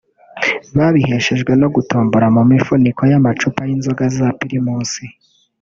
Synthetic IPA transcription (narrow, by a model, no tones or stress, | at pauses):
βaβihe̞ʃe̞ʒɡwe̞no̞ɡutoːmboɾamumifuniko̞jamat͡ʃupajinzoɡazapiɾimuːnsi